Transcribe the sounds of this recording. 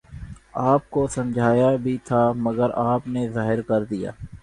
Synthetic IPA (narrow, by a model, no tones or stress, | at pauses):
aːp̚kosɐ̃md͡ʒʱaːjabʱit̪ʰaməɡəɾaːpnezaːɦɪɾkɐɾd̪ija̰ː